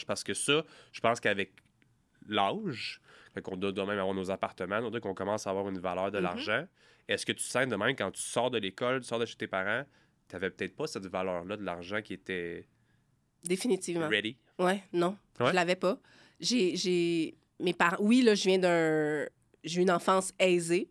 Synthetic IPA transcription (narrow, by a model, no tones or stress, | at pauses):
paʁsə̥kəsʌʒ̥ə̥pɑ̃skavɛk | laʒkɛkɔ̃d̪ɔd̪əmɛ̃mavwaːʁnozapaʁt̪əmãnot̪əkɔ̃kɔmɑ̃saːvwɑːʁynvalœːʁd̪əla̰ʁʒɑ̃ | ɛskət̪y̥sɛ̃d̪əmɛ̃mkɑ̃t̪y̥sɑːʁd̪əlekɔlt̪y̥sɑːʁd̪əʃe̥t̪epaʁɑ̃ | t̪yavɛpə̥t̪ɛɪt̪̚pʌsɛt̪valœːʁlʌd̪əlaʁʒɑ̃kʲiet̪ɛ | d̪efinit̪iːvmãʁɛd̪i | wɛnɔ̃ | wʒɛəlavɛpʌ | ʒeʒe | mepaʁɑ̃wilʌʒəvjɛ̃d̪ə̃ | ʒeynɑ̃fɑ̃ːsɛːze